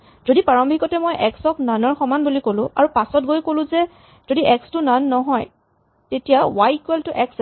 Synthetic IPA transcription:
z̥odipaɹɔmbʱikɔtɛmojʔɛksɔknanɔɹxɔmanbulikolʊ̃a̰ɹupasɔtɡojkolʊ̃zɛ | z̥odiʔɛkstʊnanːɔɦɔj | tetijawajkwɛltʊʔɛks

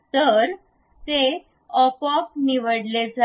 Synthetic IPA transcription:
t̪əɾ | t̪e | ɔpɔk̚niʋəɽled͡zʱa

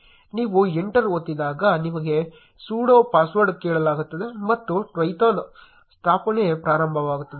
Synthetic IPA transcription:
niːʋueɳʈɐɾot̪ːid̪aːɡɐnimɐɡe̞ | suːɽoːpaːsʋɐɾɖkɛːɭɐlaːɡut̪ːɐd̪e̞mɐt̪ːuʈʋɐjt̪aːn | st̪ʰaːpɐnejpɾaːɾɐmbʱɐʋaːɡut̪ːɐd̪e

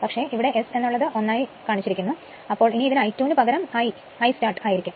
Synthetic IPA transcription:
pɐkʂe̞ʔiʋiɽe̞ʔese̞nːuɭːɐðɨʔo̞nːaːjikaːɳit͡ɕːiɾikʲːunːu | ɐpːo̞ːɭiniiðinɨɐjtjuːnɨpɐɣɐɾɐmɐj | ɐjstaːrʈɨaːjiɾikʲːum

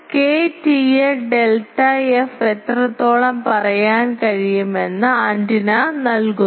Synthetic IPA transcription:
keːtieɖelʈːɐefet̪rɐt̪ːo̞ːɭɐmpɐrɐjaːnkɐɻijume̞nːɨaːɳɖinɐnɐlku

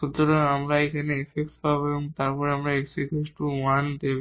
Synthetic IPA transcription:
ʃut̪ːoɾanamɾaekʰaneefekspaboebɔŋt̪aɾpɔɾeamɾaeksekesʈuand̪ebe

